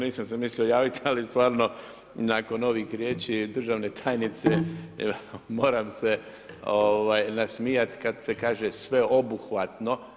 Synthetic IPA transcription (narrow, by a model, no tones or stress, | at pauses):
niːsams̬emislʎiojaːʋit̪alist̪ʋaːɾno̞ | nako̞no̞ʋixɾʲjeːt͡ʃid̪r̩ʒaʋne̞t̪ʰaːjnit̪se | mo̞ːɾamse̞ | oʋajnasmijat̪kad̪se̞kaːʒesʋe̞o̞buxʋat̪no̞